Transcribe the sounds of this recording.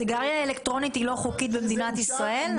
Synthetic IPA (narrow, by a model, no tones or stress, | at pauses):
iɡaʁjaelekt̪ʁo̞nit̪hilo̞χukit̪bemed̪inat̪isʁae̞l